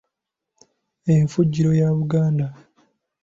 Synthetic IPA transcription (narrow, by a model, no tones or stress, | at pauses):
eɱfuɟːiɾo̞jaβuɡaːnda